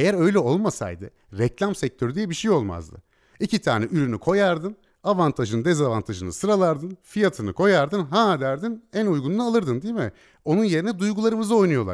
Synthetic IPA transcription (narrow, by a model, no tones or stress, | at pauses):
ejæɾø̞jlʲɛo̞lˠmasa̰jd̪ɯ̰ | ɾɛclʲamsɛc̚t̪ʰø̞ɾyd̪ijɛbiʃejo̞lˠma̰zd̪ɯ̰ | icʰit̪ʰa̰ːnɛʔyɾynykʰo̞jaɾd̪ɯn | avant̪ʰaʒɯnd̪ezavant̪ʰaʒɯnɯ̰sɯɾalˠaɾd̪ɯnfijat̪ʰɯnɯkʰo̞jaɾd̪ɯnɦaːd̪æɾd̪inænujɡununaːlˠɯɾd̪ɯnd̪ijmɪ | o̞nunje̞ɾinɛd̪ujɡulˠaɾɯmɯzɯo̞jnujo̞lˠa̰ɾ